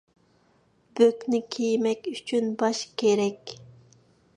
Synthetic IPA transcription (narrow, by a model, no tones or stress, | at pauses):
b̥økʲnɪkʲʰejmɛkʲyt͡ʃʰynbɑʃkʲʰeɾɛkʲ